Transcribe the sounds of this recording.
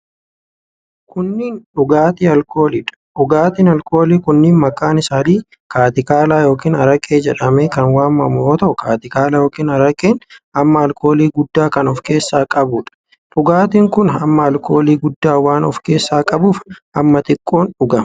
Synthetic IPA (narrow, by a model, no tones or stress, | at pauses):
kʊnːiːnᶑʊɡaːt̪iːɐlko̞ːliːᶑɐ̥ᶑʊɡaːt̪iːnɐlko̞ːliːkʊnːɪːnmɐkʼːaːnɪsaːniː | kaːt̪ɪkaːlaːjo̞ːkiːnɐɾɐkʼːeːd͡ʒɛᶑɐmeːkɐnwaːmːɐmʊoːt̪ɐʔʊkaːt̪ɪkaːlɐjo̞ːkiːnɐɾɐkʼːeːnɐmːɐɐlko̞ːliːɡʊd̪ːaːkɐnɔfke̞ːsːaːkʼɐbʊːᶑɐ̥ | ᶑʊɡaːt̪iːŋkʊnɐmːɐɐlko̞ːliːɡʊd̪ːaːwaːnɔfke̞ːsːaːkʼɐbuːfʔɐmːɐt̪ɪkʼːo̞ːnᶑʊɡɐmɐ̥